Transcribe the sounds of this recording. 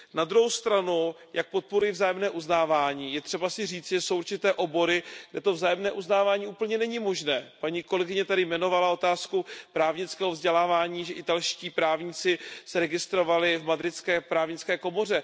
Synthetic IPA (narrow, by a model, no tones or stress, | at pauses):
nad̪ɾuɦowst̪ɾanu | jak̚po̞t̪̚poɾujivzaːjɛmnɛːʔuznaːvaːɲiːjɛt̪r̥ɛbasɪriːt͡sʒɛsowʔuɾt͡ʃɪt̪ɛːʔo̞bo̞ɾɪɡdɛt̪o̞vzaːjɛmnɛːʔuznaːvaːɲiːʔuːpl̩ɲɛnɛɲɪmo̞ʒnɛːpaɲiːko̞lɛɡɪɲɛt̪adɪmɛno̞valao̞t̪aːskupɾaːvɲɪt͡skɛːɦovzɟɛlaːvaːɲiːʒɛʔɪt̪alʃciːpɾaːvɲiːt͡sɪsɛɾɛɡɪst̪ɾo̞valɪvmad̪ɾɪt͡skɛːpɾaːvɲɪt͡skɛːko̞mo̞r̝ɛ